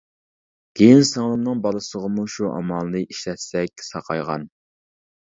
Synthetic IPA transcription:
ɡ̥ʲejinsɑŋlˠənɨŋbɑlˠɨsəʁəmuʃuʔɑ̰mɑlˠːɨʔiʃlɛt̪sɛk̚ʲsɑqʰɑjʁɑ̰n

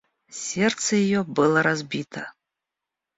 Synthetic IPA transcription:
sʲɛrt̪sɐjajɔbɨlˠɐɾazʲbʲit̪ʰɐ

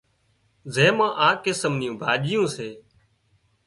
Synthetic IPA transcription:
zeːmãːʔaːkesəmnɪjõːbʱaːʄɪjõːseː

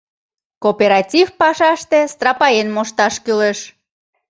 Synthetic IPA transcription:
kopeɾɑtʲifpɑʃɑʃt̪est̪rɑpɑjenmoʃt̪ɑʃkyleʃ

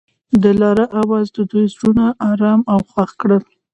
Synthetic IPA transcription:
d̪əlɑɾəʔawɑzd̪əd̪ujzɾunaʔɑɾɑmawxwaxkɽəl

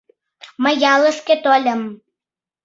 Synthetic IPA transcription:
məjɑlə̆ʃket̪olʲə̆m

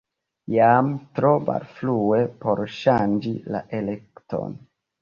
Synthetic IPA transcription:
jamtɾoma̰ɾflue̞po̞ɾʃand͡ʒila̰ʔelektʰo̞̰n

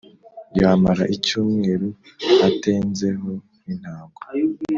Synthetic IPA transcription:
jaːmaɾaʔicuːmŋe̞ːɾu | ateːnze̞ɦo̞ | nin̥haːɡa

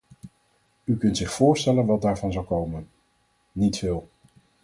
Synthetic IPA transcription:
ykɵntsɪχfʊːɹstɛlənʋɑt̚daːɹvɑnzɑwkowmən | nitfɪːlˠ

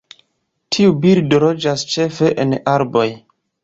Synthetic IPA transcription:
tʰiubiɾdolo̞d͡ʒast͡ʃe̞fe̞ʔenaɾbo̞j

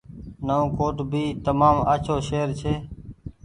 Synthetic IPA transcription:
nəõːkoːʈbʱiːt̪əmaːməːt͡ʃʰoːʃeːɾt͡ʃʰeː

